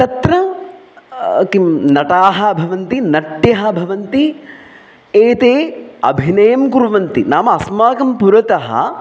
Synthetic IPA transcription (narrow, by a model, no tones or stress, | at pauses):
t̪ɐt̪ɾɐ | kimnɐʈaːɦɐ̆bʱɐʋɐnt̪inɐʈjɐɦɐ̆bʱɐʋɐnt̪i | eːt̪eːɐ̰bʱinɐjɐmkuɾʋɐnt̪inaːmɐɐsmaːkɐmpuɾɐt̪ɐɦɐ̰